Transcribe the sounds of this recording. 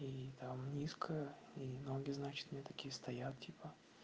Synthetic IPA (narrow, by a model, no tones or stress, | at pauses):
it̪amnʲiskʰəə | ino̞ɡʲɪznat͡ɕɪ̥t̪mnʲet̪ɐkʲijəst̪ɐjat̪̚tʲipə